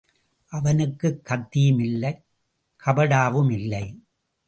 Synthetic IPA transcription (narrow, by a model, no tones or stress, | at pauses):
ʔɐʋɐnɯkːɯkːɐt̪ːijɯmɪlːɐɪ | kʰɐbɐɽaːʋɯmɪlːɐɪ